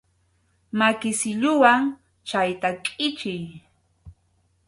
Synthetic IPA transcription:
makɪsɪʎʊwaŋ | t͡ʃajt̪akʼɪt͡ʃɪj

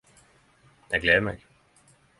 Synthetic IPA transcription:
jaɪɡ̥lɛːðˠmaɡ̥

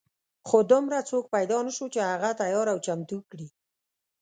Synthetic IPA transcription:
xod̪ʊmɾat͡sok̚pajd̪ɑnəʃot͡ʃehaɣat̪ajɑɾawt͡ʃamt̪ukɽi

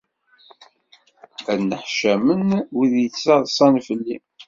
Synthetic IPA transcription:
ænːəħʃæmənwiðjət͡sːɑðˤsˤɑnfəlːḭ

